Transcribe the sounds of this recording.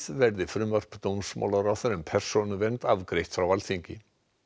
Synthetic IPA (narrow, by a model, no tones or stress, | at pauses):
ðvɛɾðɪfɾʏːmœr̥pt̪ownsma̰wlaɾaθaɾɛmpʰɛr̥sɔnʏvɛnt̪avkɾejht̪fɾawvalθiɲcɪ